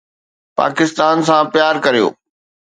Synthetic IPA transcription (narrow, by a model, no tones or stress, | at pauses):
pa̰ːkɪst̪aːnsãpjaːɾkɐɾijo̰ː